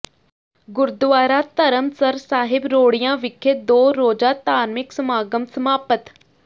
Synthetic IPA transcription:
ɡʊɾd̪ʋaːɾaːt̪əɾəmsəɾsaːɦɪbɾoːɽijãːʋɪkʰːeːd̪oːɾoːd͡ʒaːt̪aːnmɪksəmaːɡəmsəmaːpət̪

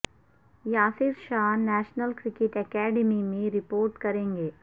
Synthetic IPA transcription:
jaːsɪɾʃaːnɛːʃnəlkɾɪkɪʈɛkɛːɖɪmimẽɾɪpoːɾʈkɐɾẽːŋɡeː

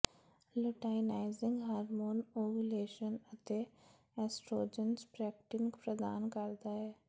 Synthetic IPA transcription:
lʊʈaːɪnaːɪzɪ̃ŋɡɦaːɾmoːnoːɡuleːʃənət̪e | ɛsʈɾoːd͡ʒənsbɾɛːk̚ʈɪŋɡpɾəd̪a̰ːnkəɾd̪aːɦɛː

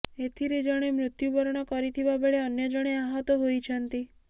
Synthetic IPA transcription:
et̪ʰiɾed͡ʒəɽ̃emɾʊt̪jubɔɾɳ̃ɔkɔɾit̪ʰiʋabeɭeənjəd͡ʒəɽ̃eaɦɔt̪oɦojt͡ʃʰənt̪i

